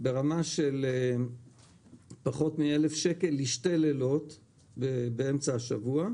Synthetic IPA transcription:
be̞ʁamaʃe̞le | paχo̞tmie̞le̞fʃe̞ke̞liʃtalelo̞t | bebeemt͡saːʃavua

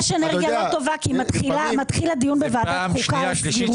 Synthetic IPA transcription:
ʃeneʁɡjalot̪o̞vakimat̪χilamat̪χilad̪ijunbevaːt̪aχuka

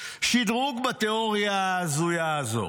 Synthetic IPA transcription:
ʃid̪ʁuɡbat̪eoʁjaaːzujaːzo̞̰

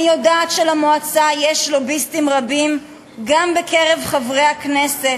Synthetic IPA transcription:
ijodaːtʃelamoat͡sajeʃlo̞bistimʁabim | ɡambekeʁe̞vχavʁejhakneset

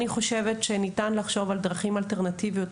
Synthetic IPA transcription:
niχo̞ʃe̞vetʃenitanlaχʃo̞vald̪ʁaχimalte̞ʁnativijot

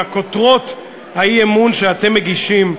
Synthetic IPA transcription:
akotʁo̞t | hajiemunʃeat̪e̞mːeɡiʃim

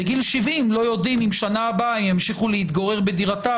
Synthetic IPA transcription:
eɡilʃivimlo̞jo̞d̪imimʃanaːbaimjemʃiχulehit̪ɡoʁe̞ʁbe̞d̪iʁat̪a

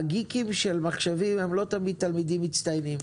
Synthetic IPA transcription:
ɡikimʃelmaχʃevimemlo̞t̪amid̪̚t̪almidimːit͡st̪ajnim

